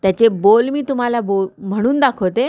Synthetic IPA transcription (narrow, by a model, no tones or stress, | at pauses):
t̪jat͡ɕebolmiːt̪um̤alabom̤əɽ̃uːnd̪akʰot̪e